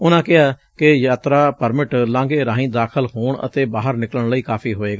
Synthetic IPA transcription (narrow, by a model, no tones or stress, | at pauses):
ʊnãːkɪɦaː | kɪjaːt̪ɾaːpəɾmɪʈlãːŋɡeːɾãːɦĩd̪aːkʰəlɦoːɳə̰t̪eːbaːɦəɾnɪkələɳləiːkaːpʰiːɦoːeːɡaː